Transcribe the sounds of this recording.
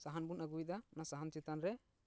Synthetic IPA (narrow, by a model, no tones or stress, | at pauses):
saɦanbunaɡujt̪anasaɦant͡ʃit̪anɾɛ